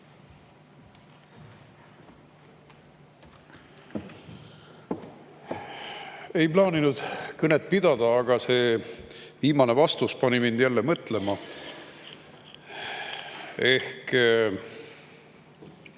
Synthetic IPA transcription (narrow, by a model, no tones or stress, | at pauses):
e̞jplɑːninud̪̥kɤnet̪̚pid̪̥ɑd̪̥ɑːɡ̥ɑse̞ː | viːmɑne̞vɑst̪uspɑnʲimind̪̥jælːe̞mɤt̪ˑle̞mɑ | e̞hk